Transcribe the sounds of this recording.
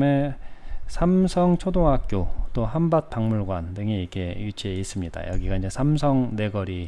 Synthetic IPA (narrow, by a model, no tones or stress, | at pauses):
me | sʰamsʰʌŋt͡ɕʰodoŋɦak̚k͈jot͈oɦambat̚paŋmuɭɡwandɯŋiikʰe̞jut͡ɕʰieis͈ɯmɲid̥a̰jʌɡiɡainɲd͡ʑe̞sʰamsʰʌŋne̞ɡʌɾi